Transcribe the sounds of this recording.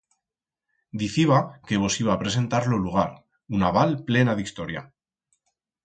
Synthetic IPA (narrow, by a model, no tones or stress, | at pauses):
d̪iθiβake̞βo̞siβ̞aːpɾe̞s̬e̞nt̪aɾloluɣ̞aɾ | unaβ̞alple̞naðist̪o̞ɾja̰